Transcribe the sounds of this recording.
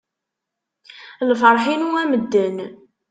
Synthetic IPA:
lfəɾˤħinuæməd̪ːən

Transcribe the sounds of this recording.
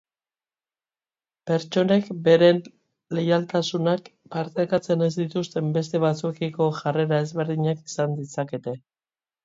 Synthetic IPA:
pe̞ɾt͡ʃo̞ne̞kbe̞ɾe̞n | le̞jalt̪asunakpaɾt̪ekat͡se̞ne̞zd̪it̪ust̪e̞mbe̞s̬t̪e̞βat͡suekiko̞ʝare̞ɾae̞zβe̞ɾðiɲaki̥sand̪isake̞t̪e̞

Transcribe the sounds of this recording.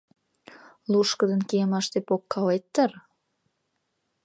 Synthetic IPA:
luʃkəd̪ənkeəmɑʃt̪epokːɑlet̪ːər

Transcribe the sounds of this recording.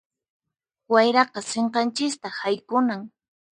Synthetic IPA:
wajɾɑqɑseɴqɑnt͡ʃɪst̪ahajkʊnaŋ

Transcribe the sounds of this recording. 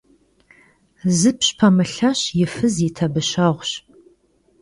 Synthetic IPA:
zɨpʰɕpʰɐmɨɬɐɕjɪfɨzitʰɐbɨɕɐʁʷɕ

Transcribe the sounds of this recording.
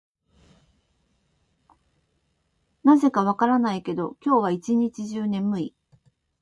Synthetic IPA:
naze̞kaβ̞akaɾanaike̞d̪o̞kʲo̞ːβait͡ɕiɲ̟it͡ɕiʑɨːnẽ̞mːɯ̟i

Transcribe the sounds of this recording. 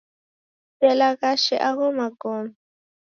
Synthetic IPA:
sɛlakaʃɛʔaɣɔmakɔm

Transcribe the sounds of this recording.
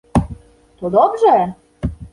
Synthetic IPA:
t̪ud̪obʒe

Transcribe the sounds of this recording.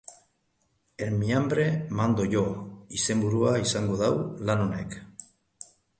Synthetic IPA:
eɾmiambɾemand̪oʝoise̞mbuɾuaisaŋɡoðawlanonek

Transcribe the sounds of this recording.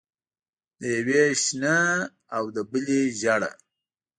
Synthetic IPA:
d̪əjaweʃnə | awd̪əbəleʒaɽa̰

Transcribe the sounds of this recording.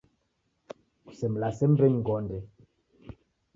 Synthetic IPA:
ku̥sɛm̩lasɛmbɛɲɡɔndɛ

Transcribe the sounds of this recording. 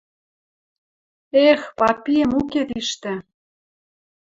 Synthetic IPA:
expɑpijəmuket̪iʃt̪ĕ

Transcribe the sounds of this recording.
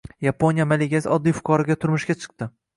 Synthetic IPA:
japʰonjamaleɡʲasɒd̪ːijfʊ̥kʰɒɾɪɡʲat̪ʰʊɾmʊʃɡʲat͡ʃʰɨ̥q̚t̪ɪ

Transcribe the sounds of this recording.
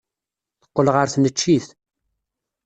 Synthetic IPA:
θə̥qːəlʁəɾθnət͡ʃːiθ

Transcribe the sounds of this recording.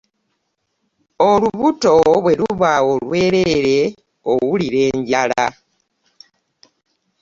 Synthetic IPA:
o̞luβuto̞βwe̞luβao̞lwe̞ːɾe̞eɾe̞ | o̰wuliɾe̞ːɲɟala̰

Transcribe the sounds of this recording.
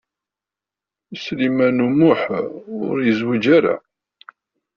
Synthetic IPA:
əslimænumʊħʊʊɾjəzwid͡ʒaɾa̰

